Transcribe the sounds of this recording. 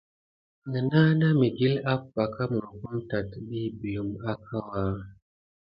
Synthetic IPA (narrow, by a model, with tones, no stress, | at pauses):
ŋə˨na˦na˦mi˨ɡi˦la˦pːa˨ka˦mu˨ɾku˦mta˨tɓi˦bi˨lu˨ma˦kʰa˦wa˦